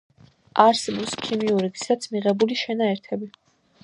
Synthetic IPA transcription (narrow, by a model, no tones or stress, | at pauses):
aɾsɛbɔpskʰimiuɾiɡi̥sat̪sʰmiʁɛbuliʃɛnaɛɾt̪ʰɛbi